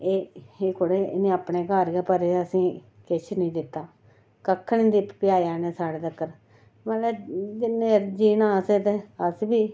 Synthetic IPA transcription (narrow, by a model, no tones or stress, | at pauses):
eːeːkʰʊɽeːnẽːaːpɳeːkaːɾɡeːpəɾeːəsĩː | kɪt͡ʃʰnĩːd̪ɪt̪ːaː | kəkʰːəɳĩːd̪ɪppɪjaːjaːneːsaːɽeːt̪əkːəɾ | məlɛːd͡ʒɪnːẽːɾd͡ʒiːnaːseːt̪eəsbiː